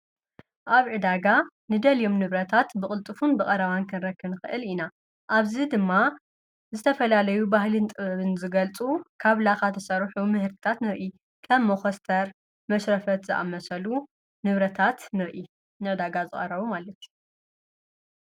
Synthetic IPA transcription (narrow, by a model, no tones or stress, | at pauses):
ʔaβʕɨd̪aɡa | nɨd̪ɐlijo̞mnɨβɾɐt̪ʰat̪bɨχʼɨlt̪ʼɨfunbɨkʼɐɾɐβankʰɨnɾɐkʰːɨnɨxɨʔɨlina | ʔaβzid̪ɨmːa | zɨt̪ʰɐfɐlalɐjubahlɨnt̪ʼɨβɐβɨnzɨɡɐlt͡sʼukʰaβlaxat̪ʰɐsɐɾħumɨhɨɾt̪ɨ̥t̪ʰat̪nɨɾʔi | kʰɐmːoxɐst̪ʰɐɾ | mɐʃɾɐfɐt̪zɨʔa̰mɐsɐlu | nɨβɾɐt̪ʰat̪nɨɾʔi | nɨʕɨd̪aɡazɨχʼɐ̰rɐβumalɐt̪ʰ